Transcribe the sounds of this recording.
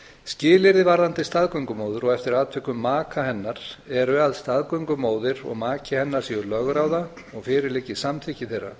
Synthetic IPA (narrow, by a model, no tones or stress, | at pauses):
scɪːlɪɾɪvaɾðant̪ɪst̪aðkœɥŋkʏmoːwðʏɾɔɣɛft̪ɪɾaːðt̪ʰvɪkːʏmːaːkʰahɛnːaɾ̥ɛɾʏaðst̪aðkœɥŋkʏmoːwðɪɾɔ̰ɣmaːcɪhɛnːaɾ̥siʏɾlœɣɾaːwða | ɔɣfɪːɾɪleːcɪsamt̪ʰicɪθejrːa̰